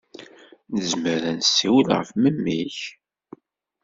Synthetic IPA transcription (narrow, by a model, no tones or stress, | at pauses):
nəzməɾənsːiwəlʁə̰fməmːiç